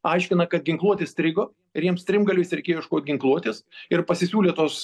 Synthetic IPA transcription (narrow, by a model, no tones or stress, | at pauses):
ɐɪʃʲkʲɪnɐkɐt̪̚ɡʲɪŋklˠuɔt̪ʲeːst̪ʲɾʲɪɡoː | ɪɾjiɛmst̪ʲɾʲɪmɡɐlʲɛɪsʲɾʲɛɪkeːjoɪʃkoːt̪̚ʲɡʲɪŋklˠuɔt̪ʲeːsɪrpɐsʲɪsʲuːlʲeːt̪oːs